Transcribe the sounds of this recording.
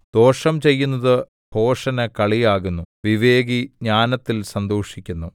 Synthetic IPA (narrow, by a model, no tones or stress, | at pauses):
d̪̥o̞ːʂɐmt͡ɕe̞jːunːɐðɨ | bʱo̞ːʂɐnɐkɐɭijaːɣunːuʋiʋe̞ːɡiɲaːnɐt̪ːilsɐnd̪oːʂikʲːunːu